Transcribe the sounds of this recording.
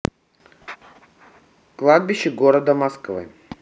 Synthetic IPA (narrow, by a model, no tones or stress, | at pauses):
klˠad̪̚bʲɪɕːɪɡoɾəd̪əmɐskvɨ̰